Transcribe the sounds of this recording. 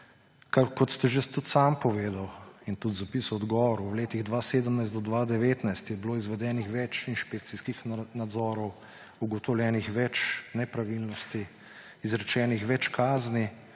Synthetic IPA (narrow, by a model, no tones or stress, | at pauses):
kakɔt̪st̪ɛʒet̪ut̪sampɔʋeːd̪awint̪ut̪zapisuɔd̪ɡɔːʋɔɾuwleːt̪iɣd̪ʋaːseːd̪əmnajst̪d̪ɔd̪ʋad̪ɛʋeːt̪najst̪jɛbloːizʋɛd̪ɛːnixʋɛt͡ʃinʃpeːk̚t̪siskixnad̪zɔːɾɔw | uɡɔt̪ɔwlʲjɛːnixʋɛt͡ʃnɛpɾaʋilnɔst̪i | izɾɛt͡ʃɛːnixʋɛt͡ʃkaːzni